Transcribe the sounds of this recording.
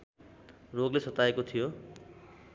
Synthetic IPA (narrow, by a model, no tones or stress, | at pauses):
roɡlesʌt̪aekot̪ʰijo